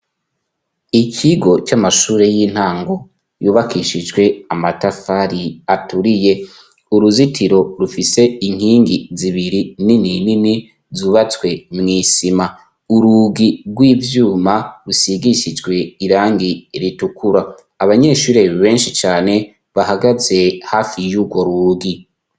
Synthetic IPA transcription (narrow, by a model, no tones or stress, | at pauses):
icʰiɡo̞t͡ʃamaʃuːɾe̞jiːn̥haːŋɡo̞ | juːβakiʃid͡ʒɡwe̞amatafaɾiatuɾije̞ | uɾuzitʰiɾo̞ɾufise̞iŋ̥hiːŋɡiziβiɾinininini | zuβat͡swe̞mŋiːsima | uɾuːɡiɾɡwiːvjuːmaɾusiɡiʃid͡ʒɡwe̞iɾaːŋɡiɾitukʰuɾaː | βaɲe̞ːʃuːɾe̞βe̞ːnʃit͡ʃaːne̞ | βahaɡaze̞hafijuɡwo̞ɾuːɡi